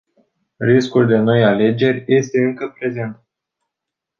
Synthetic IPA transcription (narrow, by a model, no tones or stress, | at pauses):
riskuld̪e̞no̞jale̞d͡ʒe̞rʲje̞st̪e̞ɨŋkəpɾe̞ze̞nt̪̚